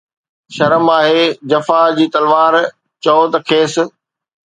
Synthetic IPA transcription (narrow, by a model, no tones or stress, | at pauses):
ʃɐɾəmaːɦeːd͡ʑɐfad͡ʑiːt̪ɐlʋaːɾ | t͡ɕɔoːt̪ɐkʰeːs̆